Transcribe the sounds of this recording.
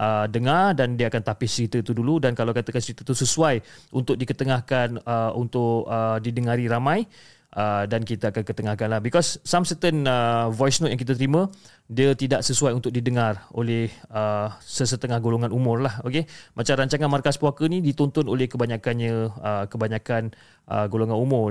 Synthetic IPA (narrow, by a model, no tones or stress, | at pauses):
ʔədəŋardandiəakant̪apɪht͡ʃəɾit̪ət̪uduludankalawkat̪əkant͡ʃəɾit̪ət̪usəsuajʔunt̪ʊk̚dikət̪əŋahkanəṵnt̪ʊkədidəŋaɾiɾamãj | ʔədankit̪əakankət̪əŋahkanlahbikɔsːamsət̪ənəvɔjsnɔt̪ʔjaŋkit̪ət̪əɾimə̃ | diət̪idaʔsəsuajunt̪ʊk̚didəŋaro̰lɛhəsəsət̪əŋahɡoloŋanumʊrlahokemat͡ʃamɾaɲt͡ʃaŋanmarkaspwakənidit̪ɔnt̪ɔnolɛhkəbaɲakanɲəəkəbaɲakan | ʔə̰ɡoloŋãnumʊr